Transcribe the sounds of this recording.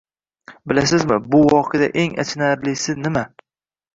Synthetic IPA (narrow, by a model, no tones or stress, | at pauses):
bɪlasɪzmɪbʊwɒqʰejd̪a̰ʔe̞ŋa̰t͡ʃʰnaɾlɪsɪnɪma